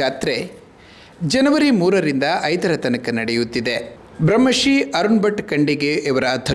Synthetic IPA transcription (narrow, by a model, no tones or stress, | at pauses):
aːt̪ɾe | d͡ʒɐnɐʋɐɾimuːɾɐɾind̪ɐʔɐjd̪ɐɾɐt̪ɐnɐkɐnɐɽejut̪ːid̪e | bɾɐmːɐʂiɐɾunbɐʈkɐɳɖiɡeʔːʋɐɾɐːd̪ʰʱɐ